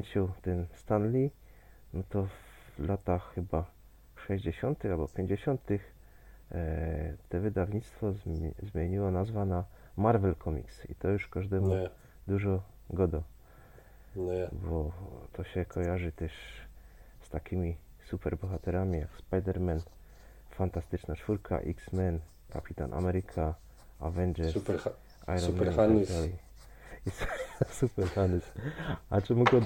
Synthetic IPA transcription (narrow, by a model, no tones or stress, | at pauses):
ɲt͡ɕɛwt̪ɛnst̪anlʲi | nɔt̪ɔv | lat̪axːɘba | ʂɛʑd͡ʑeɕɔnt̪ɘxalbɔpʲjeɲd͡ʑeɕɔnt̪ɘx | t̪ɛvɘd̪avɲit̪st̪fɔzzmʲjeɲiwɔnazvana | maɾvɛlkʰɔmʲḭksḭt̪ɔjuʂkaʐd̪ɛmu | d̪uʐɔ | ɡɔd̪ɔ | bɔt̪ʰɔɕɛkʰɔjaʐɨt̪ɛʂ | st̪akʲʰimʲi | supɛɾbɔxat̪ɛɾamʲija̰kspajd̪ɛɾmɛn | fant̪ast̪ɘt͡ʂnat͡ʂfuɾkʰa̰ʔiksmɛn | ka̰pʲit̪a̰nʔa̰mɛɾɘkʰa | avɛnd͡ʒɛɾ | a̰jɔnmɛaali | issupɛɾxand̪ɛsat͡ʂɛmuɡɔd̪